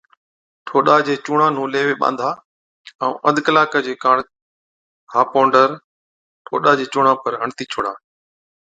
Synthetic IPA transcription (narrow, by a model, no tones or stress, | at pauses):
ʈʰoːɗad͡ʑeːt͡ɕʊːɽãːn̤ũːleːʋeːɓã̰ːnd̪ʱaː | ɛ̃ːʔəd̪kəlaːkəd͡ʑeːkaːɽ̃ | haːpõːɳɖəɾ | ʈʰo̰ːɗad͡ʑeːt͡ɕʊːɽãːpəɾɦəɳt̪iːt͡ɕʰoːɽaː